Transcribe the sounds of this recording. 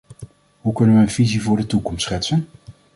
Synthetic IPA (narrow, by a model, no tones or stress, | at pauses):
ɦukɵnənʋəːnvizivʊːɹdətukɔmstsχɛtsən